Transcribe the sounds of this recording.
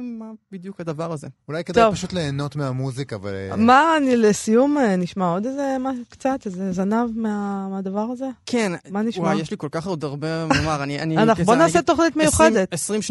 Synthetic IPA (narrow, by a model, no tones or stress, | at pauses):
mabid̪jukhad̪avaʁazeulajked̪tovpaʃut̪le̞ːno̞t̪meamuzikaːva̰lmanilesijumeniʃmao̞d̪ezemaʃkt͡sat̪ezezanavmeamad̪avaʁaze̞kʰenmaniʃwmajjeʃliko̞lkaχad̪aʁbemamaʁanianianaχubonaːset̪oχnit̪mejuχedet̪esʁimʃ